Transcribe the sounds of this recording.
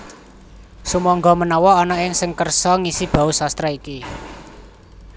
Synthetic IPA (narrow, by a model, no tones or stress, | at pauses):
sumɔŋɡɔmənɔwɔːnɔɪŋsɪŋkərsɔŋisib̥ä̤usast̪ɾaiki